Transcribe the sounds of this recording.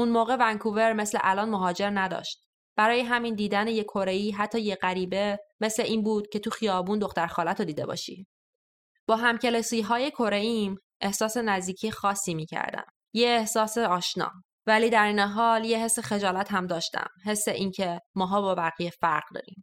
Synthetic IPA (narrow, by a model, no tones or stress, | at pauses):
ʔunmoːɣe̞væŋkʰuve̞ɾme̞slḛʔælɒːnmoɦɒːd͡ʒe̞ɾnæd̪ɒ̰ːʃt̪̚ | b̥æɾɒːjeɦæmind̪iːd̪æneje̞kʰo̞ɾeiːɦæt̪ʰːɒːje̞ɣæɾiːbe̞me̞sleʔiːnbuːd̪̥cʰe̞t̪ʰuxijɒːbuːnd̪o̞xt̪æɾxɒːlæt̪ʰod̪iːd̪e̞bɒ̰ːʃḭː | b̥ɒːɦæmcʰe̞lesiːɦɒːje̞kʰo̞ɾeim | ʔe̞hsɒːse̞næzd̪iːcʰijexɒːsːiːmiːcʰæ̰ɾd̪æ̰m | jeːhsɒːseɒːʃnɒ̰ː | væliːd̪æɾiːneɦɒːljeɦe̞sːexe̞d͡ʒɒːlæt̪hæmd̪ɒːʃt̪æ̰mɦe̞sːeʔiːncʰe̞mɒːɦɒːbɒːvæɣijefæɾɢd̪ɒ̰ːɾḭːm